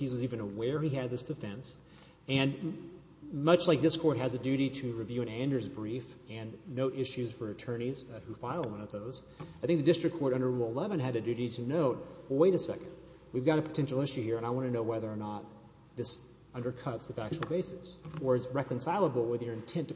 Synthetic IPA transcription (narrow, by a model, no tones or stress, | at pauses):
hizwʌzivɨ̃nəwɛɹiɨd̪̚ðɪsd̥ɨfɛ̃ns | ɨ̃n | mʌt͡ʃlaɪk̚ðɪskʰɔɹt̚ɦɨzɨdʉɾiɾɨɹivjʉɨ̃næ̃ndə˞zbɹifɨ̃nːoʊɾʔɪʃʉz̥fə˞ɨtʰɜ̃˞ñiz̥hʉfaɪl̩ˠd̚wʌ̃nʌvðoʊz̥ | aɪθɪ̃ŋk̚ðɨdɪstɹ̥ɨkʰːɔɹɾʌ̃ndə˞ɹulˠəlɛvɨ̃nɨɾɨdʉɾiɾɨnoʊt̚wəlˠweɪɾɨsɛkɨ̃nd̚ | wivɡɑɾɨpʰə̥tʰɛ̃nʃl̩ˠɪʃʉhiɹɨ̃ñaɪwɑ̃ñɨnoʊwɛðə˞ːnət̪̚ | ðɪs | ʌ̃ndə˞kʰʌtsɨvæk̚t͡ʃul̩ˠbeɪsɨsə˞ɨzɹɛkɨ̃nsaɪlˠəbl̩ˠwəðjə˞ɨ̃ntʰɛ̃nt